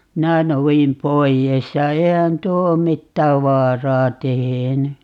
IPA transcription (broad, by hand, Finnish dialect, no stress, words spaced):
minæ nouim poies jɑ eihæn tuo om mitːæːʋ ʋɑːrɑː teheny